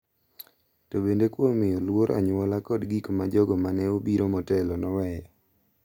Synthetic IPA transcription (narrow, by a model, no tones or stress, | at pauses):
tobendekwomɪjɔlwoɾa̰ɲwɔlakɔdɡikmad͡ʒɔɡɔmanɛobiɾomɔtɛlɔnɔwɛjɔ